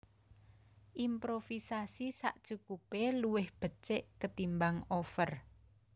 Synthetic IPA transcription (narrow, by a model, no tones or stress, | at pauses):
ʔimpɾofisasisa̰ʔd̥t͡ʃukupeluwɪhb̥ə̤t͡ʃɪʔkət̪imbaŋofər